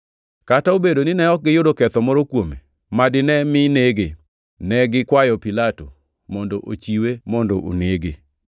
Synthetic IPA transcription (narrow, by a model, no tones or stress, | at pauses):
kataobedonɪnɛɔk̚ɡɪjʊdokɛt̪ɔmɔɾɔkwomḛ | madɪnɛmɪneɡe | nɛɡɪkwajɔpilato̰ | mɔndoʔot͡ʃiwemɔndɔʔo̰neɡe